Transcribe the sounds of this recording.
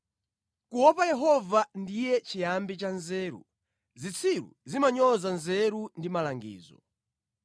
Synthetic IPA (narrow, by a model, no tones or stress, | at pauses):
kuwɔpajɛɦɔvandijɛt͡ʃijambit͡ʃanzɛːɾṵ | zit͡sʰiɾṵzimaɲɔzanzɛɾundimalaŋɡḭːzɔ̰